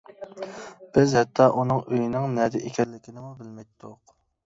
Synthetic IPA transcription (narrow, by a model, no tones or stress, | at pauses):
b̥ɪzhɛt̪ʰːɑʔunɨŋøjinɪŋnɛd̪ɪʔekʲʰɛllːɪkʲinɪmubɪlmɛjt̪ʰːʊq